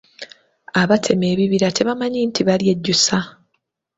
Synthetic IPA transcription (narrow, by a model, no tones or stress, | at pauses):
aβatʰe̞me̞ːβiβiɾatʰe̞βamaɲiːntʰiβalje̞ɟːusa